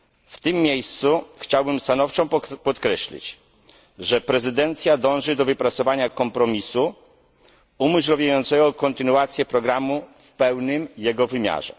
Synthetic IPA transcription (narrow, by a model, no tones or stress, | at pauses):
ft̪ɘmːjejst̪suxt͡ɕawbɘmst̪anɔft͡ʂɔ̃w̃pɔt̪kɾɛɕlʲḭt͡ɕ | ʐɛpɾɛzɘd̪ɛnt̪sʲjad̪ɔ̃w̃ʐɘd̪ɔvɘpɾat̪sɔvaɲakɔmpɾɔmʲisu | umɘɕlɔvʲjajɔnt̪sɛɡɔkɔnt̪ɘnuat̪sʲjɛpɾɔɡɾamufpɛwnɘmjɛɡɔvɘmʲja̰ʐɛ̰